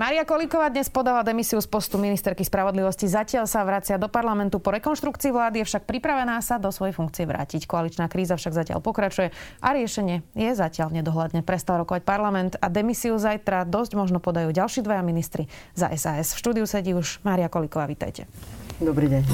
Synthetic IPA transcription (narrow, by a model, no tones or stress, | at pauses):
maːɾiakɔlikɔʋaːd̪ɲɛspɔd̪aʋad̪ɛmisiuspɔst̪uminist̪ɛɾkispɾaʋɔd̪liʋɔscizacɪaʎsaʋɾat͡sɪad̪ɔpaɾlamɛnt̪upɔɾɛkɔnʃt̪ɾukt͡siːʋlaːd̪ijɛfʃak̚pɾipɾaʋɛnaːsad̪ɔsʋɔjɛfuŋkt͡siɛʋɾa̰ːcickɔalit͡ʃnaːkɾiːzafʃaɡzacɪa̰lpɔkɾat͡ʃujɛʔaɾɪɛʃɛɲɪɛjɛzacɪalɲɛd̪ɔɦlad̪ɲɛpɾɛst̪alɾɔkɔʋac̚paɾlamɛnt̪ad̪ɛmisiuzajt̪ɾad̪ɔzɟmɔʒnɔpɔd̪ajuːɟalʃiːd̪ʋɔjaminist̪ɾi | za̰ʔɛzaːɛsfʃt̪uːd̪iusɛɟiːuʒmaːɾiakɔlikɔʋaːʋiːt̪a̰jcɛ̰d̪ɔbɾiːɟɛɲ